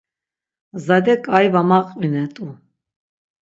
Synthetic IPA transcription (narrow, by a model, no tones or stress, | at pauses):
zad̪ɛkʼajvamaqʼinɛt̪ʼu